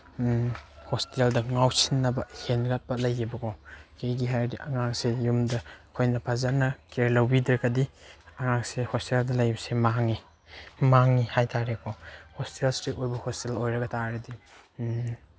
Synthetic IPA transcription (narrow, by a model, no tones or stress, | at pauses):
hosteldɐŋawsinːɐbɐhenɡat̚pɐlɐjibɐkʰɔkejɡiɦajɾdiʔɐŋaŋsejumdɐkʰojnɐpʰazanɐkeɾlɐwbidɾɐkɐdiɐŋaŋsehosteldɐlɐjbɐsemaŋi | maŋihajtʰaɾekʰɔhostelstɾitojbɐhostelojɾɐɡɐtaɾɐdi